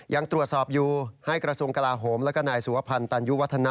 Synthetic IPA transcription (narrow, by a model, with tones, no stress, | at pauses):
ja˧ŋt̪ɾu˨˩ət̪̚sɔː˨˩p̚juː˨˩ha˥˩jkɾa˧su˧əŋka˧laː˧ɦoː˩˦mlɛː˦˥kɔ˥˩naː˨˩jsu˩˦a˦˧pʰa˧nt̪aː˧nju˦˥wa˦˥t̪ʰːa˧na˦˥